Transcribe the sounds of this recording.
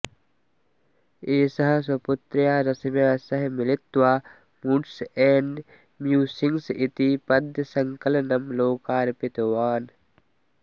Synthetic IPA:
eːsɐɦɐs̬ɐpʊt̪ɾjaːɾɐsɐmjaːsɐɦmɪlɪt̪ʋaː | muɖseːɳɖ | mjuːsɪŋsɪt̪ipɐd̪ʱjsɐŋkɐlnɐmloːkaːɾpɪt̪ɐʋaːn

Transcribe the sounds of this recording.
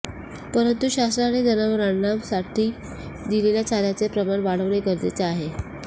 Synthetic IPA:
pəɾənt̪uɕasɾaɽed̪ənəʋɾaɳnamsaʈʰiː | d̪ileljat͡sad̪jat͡sepɾəmaɳʋaɽəʋɽeɡəɾd̪ḛt͡saaɦe

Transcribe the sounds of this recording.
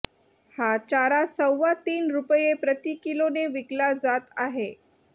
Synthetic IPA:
hat͡ɕaɾasəwːat̪iːnɾupəjepɾət̪ikiloneʋiklad͡zat̪aɦe

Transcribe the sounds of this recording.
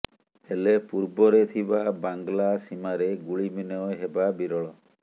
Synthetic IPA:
helepuɾbɔɾet̪ʰibabaŋɡlasimaɾeɡuɭiminɔɔɦebabiɾɔɭɔ

